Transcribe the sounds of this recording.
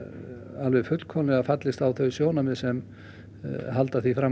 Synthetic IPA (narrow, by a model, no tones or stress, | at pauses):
alvɪfʏt̪l̥kʰɔlɪɣafat̪lɪst̪awθœɥsjoːwnamɪsɛm | ɦalt̪aθifɾa